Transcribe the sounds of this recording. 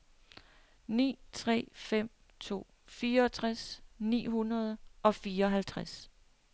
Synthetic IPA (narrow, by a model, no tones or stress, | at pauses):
nḭːt͡sʰʁɛ̰ːfem̰ | t͡sʰo̝̰ː | fiːɐɒt͡sʰʁasnḭːhunɐð̞ˠʔɒ̽fiːɐɒɦælt͡sʰʁas